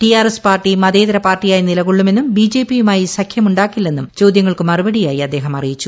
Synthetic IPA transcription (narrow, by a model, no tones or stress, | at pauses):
ʈijaːrespaːrʈːimɐðeːðɐɾɐpaːrʈːijaːjinilɐɣuɭːume̞nːumbiːd͡ʑe̞ːpijumaːjisɐkʰjɐmuɳɖaːkːilːe̞nːumt͡ɕo̞ːd̪jɐŋːɐɭkɨmɐrubɐɽijaːjiɐd̪ːeːɦɐmɐrijit͡ɕːu